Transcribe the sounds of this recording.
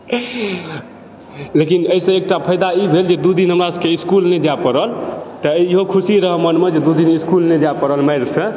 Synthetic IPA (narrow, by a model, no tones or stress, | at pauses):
lekinəisə̃ek̚ʈapʰəjd̪aibʱeld͡ʒed̪ud̪inɦəmaskeiskulnɛd͡ʒapəɾəlt̪əiiɦokʰusiɾəɦəmənmed͡ʒed̪ud̪iniskulnɛd͡ʒapəɾəlməjɾsə̃